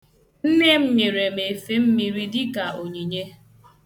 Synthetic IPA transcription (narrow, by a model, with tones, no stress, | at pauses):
n̩˦ne˦m̩˦ɲe˨ɾe˨me˨fe˦m̩˦mi˨ɾi˦dɪ˦ka˨o˨ɲi˨ɲe˦